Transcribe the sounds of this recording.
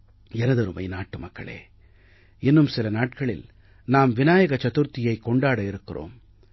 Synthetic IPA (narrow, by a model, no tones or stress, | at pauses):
ɛnɐðɐɾɯmɐ̰ɪnaːʈːɯmɐkːɐ̰ɭḛː | ɪnːɯmsɪlɐnaːʈkɐɭɪ̰l | naːmʋɪnaːjɐɣɐt͡ʃɐt̪ɯɾt̪ɪjɐɪkːɔɳɖaːɽɐɪɾɯkːɪro̰ːm